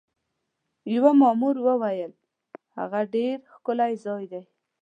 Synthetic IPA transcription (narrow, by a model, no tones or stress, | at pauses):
jawamɑmuɾwəwajəl | ha̰ɣaɖeɾxkʊlajzɑjd̪aj